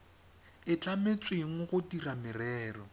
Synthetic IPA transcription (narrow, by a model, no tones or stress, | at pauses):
ɪt͡ɬamet͡sʼwɪŋ̩χʊtiramɪrɛːrɔ